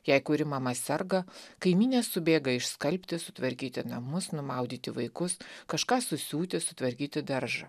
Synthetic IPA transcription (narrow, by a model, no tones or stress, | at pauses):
jɛɪkʊɾʲɪmɑmɐsʲɛɾɡɐkɐɪmʲiːnʲeːsːʊbʲeːɡɐɪʃskɐlʲpʲt̪ʲɪsʊt̪ʋɐɾʲkʲiːt̪ʲɪnɐmʊsnʊmɐˑʊd̪ʲiːt̪ʲɪʋɐɪkʊskɐʃkɑːsʊsʲuːt̪ʲɪsʊt̪ʋɐɾʲkʲiːt̪ʲɪd̪ɐɾʒɐ